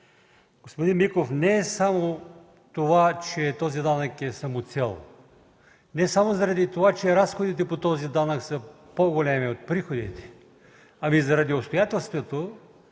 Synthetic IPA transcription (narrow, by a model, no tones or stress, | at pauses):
ɡ̥ospod̪inmikofnɛːsamo | t̪ovat͡ʃɛt̪ɔzid̪anəkɛsɐmot̪sɛlˠ | nɛsamozɐɾɐd̪it̪ovat͡ʃɛɾasxod̪it̪̬ɛpot̪ɔzid̪anɐksə | poɡolʲɛmiot̪̚pɾixod̪ḭt̪ɛ̥ | ɐmizɐɾɐd̪iopst̪ojat̪ɛlˠst̪vot̪o